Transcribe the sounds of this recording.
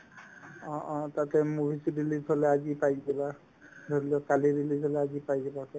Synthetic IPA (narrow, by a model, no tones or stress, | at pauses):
ɔ̃ʔɔ̃tatɛmubʱisidilizɦɔlɛazipajzɛba | dʱoliɔkaliɹilizɦɔlɛazipajzɛbakɛ